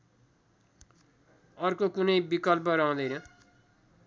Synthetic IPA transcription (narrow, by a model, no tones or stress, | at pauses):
ʌrkokunʌjbikʌlp̬ʌɾʌɦũd̪ʌjnʌ